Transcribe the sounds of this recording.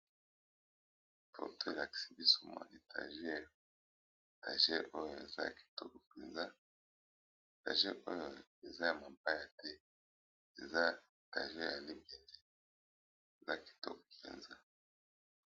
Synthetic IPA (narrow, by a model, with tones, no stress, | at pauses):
fɔ̰˨tʰo˦˨a˨ki̥˨si˦bi˦su˨ma̰˨ne˨ta̰˨ʒɛ˦˨ | ta̰˨ʒɛ̰˦ʔo˦jo˨e˨za̰˦˨ki̥˨tɔ˦kɔ˨pe˨nza˦˨ | ta̰˨ʒɛ˦ʔo˦jo˨e˨za˦ja˨ma˨mpa˦ja˨tɛ˦ | e˨za˦˨ | ta̰˨ʒɛ˦ja˨li˦be˨nde˦ | e˨za˦ki̥˨tɔ̰˦kɔ̥˨pḛ˨nza˦